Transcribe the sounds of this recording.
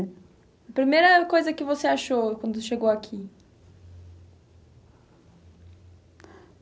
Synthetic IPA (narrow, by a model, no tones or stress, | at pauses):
ɐpɾimejɾɐkojzɐkɪvoseaʃokwɐ̃nd̪ʊʃeɡowakʰi